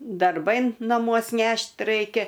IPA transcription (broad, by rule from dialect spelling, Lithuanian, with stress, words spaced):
dɐrˈbɐɪ nɐˈmuɔs ˈnʲɛʃt ˈrɐɪkʲɛ